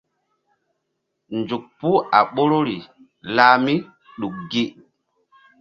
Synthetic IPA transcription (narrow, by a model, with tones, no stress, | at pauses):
nd͡ʒu˨k̚pu˦a˨ɓo˦ɾo˦ɾi˨ | laː˦mi˦ | ɗu˨k̚ɡi˦